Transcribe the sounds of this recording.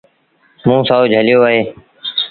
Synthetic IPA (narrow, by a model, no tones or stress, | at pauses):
mũːsaːʊd͡ʒɦəlɪjoːəɦeː